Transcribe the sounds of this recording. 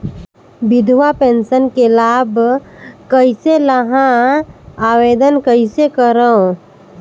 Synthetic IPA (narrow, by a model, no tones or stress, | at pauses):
bɪd̪ʱʋapẽnsənkelaːb | kəɪseləɦã | aːweːd̪ənkəɪsekəɾəõ